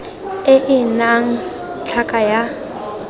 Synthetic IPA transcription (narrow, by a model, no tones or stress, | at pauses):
ɪʔɪnaŋ̩ | t͡ɬʰakʼaja